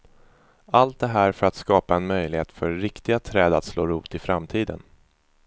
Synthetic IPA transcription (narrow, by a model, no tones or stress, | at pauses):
alt̪̚d̪ɛɦæːɾfœɾat̪skɑːpaɛnmœjlɪheːt̪fœɾːɪkt̪ɪɡat̪ʰɾɛːd̪at̪sloːɾuːt̪ɪfɾamt̪ʰiːd̪ə̰n